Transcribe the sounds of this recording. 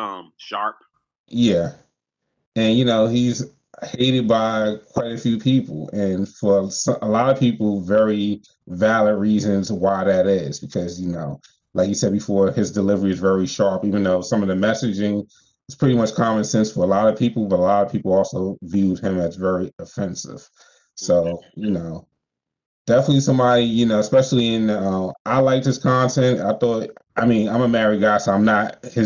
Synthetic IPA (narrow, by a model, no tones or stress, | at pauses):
ʌ̃mʃɑɹp̚ | jæ | ɨ̃njɨnoʊhiz̥ | heɪɾɨd̚baɪkʰw̥aɪɾɨfjʉpʰipl̩ˠɨ̃nfə˞sʌəlɑɾʌ̥pʰipl̩ˠvɛɹi | vælˠəd̚ɹizɨ̃nzwaɪðɨɾɪzbɨkʰʌzjɨnoʊ | laɪkjɨsɛd̚bɨfɔɹɨzdɨlɪvə˞iɨzvɛɹiʃɑɹpivɨ̃nðoʊsʌ̃mʌvðɨmɛsɨd͡ʒɪ̃ŋ | ɨtspʰɹ̥ɪɾimʌt͡ʃkʰɑmɨ̃nsɛ̃nsfə˞əlɑɾʌ̥pʰipl̩ˠbʌɾəlɑɾʌv̥pʰipl̩ˠɔlˠsoʊvjʉd̚ɪ̃mɨtsvɛɹiɨfɛ̃nsɪ̰v̥ | soʊjɨnoʊ | d̥ɛfənətˡlisʌ̃mbɑɾijɨnoʊəspɛʃl̩ˠiɪ̃nʌ̃mʔaɪlaɪk̚ðɨskʰɑ̃ntʰɛ̃nta̰ɪθɔt̚aɪmĩnãɪ̃məmɛɹiɡaɪsoʊãɪ̃mnət̚hɪ